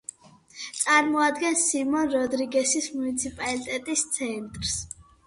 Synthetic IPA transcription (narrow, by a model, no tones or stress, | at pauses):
t̪sʼaɾmɔad̪ɡɛnsimɔnɾɔd̪ɾiɡɛsismunit̪sʰipʼalit̪ʼɛt̪ʼist̪sʰɛnt̪ʼɾs